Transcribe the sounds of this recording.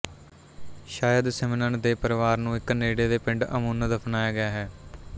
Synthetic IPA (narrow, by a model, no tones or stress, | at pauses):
ʃaːjəd̪sɛmɪnəɳd̪eːpəɾɪʋaːɾnũːɪkneːɽeːd̪eːpɪ̃ɳɖəmuːnd̪əpʰnaːjaːɡɪjaːɦɛː